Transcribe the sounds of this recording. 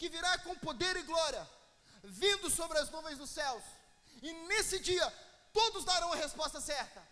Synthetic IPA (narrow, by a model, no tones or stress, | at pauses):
kɪviɾakõpod̪eɾɪɡlɔɾiɐ | vĩnd̪ʊsobɾɪɐznuvẽj̃zd̪ʊsɛws | ɪnesɪd͡ʒiɐt̪od̪ʊzd̪aɾɐ̃w̃mɐhespɔst̪ɐsɛɾt̪ɐ